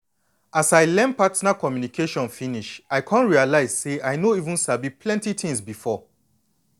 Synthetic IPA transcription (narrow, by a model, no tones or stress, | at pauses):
ʔasaɪlɛ̃npatnakɔmjunikʰeʃɔ̃nfĩniʃaɪkʰãnɹialaɪz̥seʔaɪnoivũnsabipʰlɛ̃ntitʰĩŋsbifɔ